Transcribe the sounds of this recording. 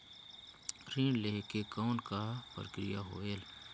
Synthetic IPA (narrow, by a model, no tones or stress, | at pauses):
ɾĩːɳleːkekɔːnkapə̰ɾəkɾɪjaɦoːeːl